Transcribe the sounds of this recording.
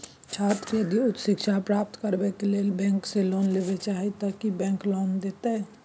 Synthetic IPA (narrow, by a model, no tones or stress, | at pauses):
t͡ʃʰaːɾt̪ɾiəd̪iʊt̪ʃɪkʃʰapɾaːp̚t̪kəɾbekeleːlbɛ̃ːŋkselɔːnlebet͡ʃaːɦit̪əkibɛ̃ːŋklɔːnd̪eːt̪aɦɛ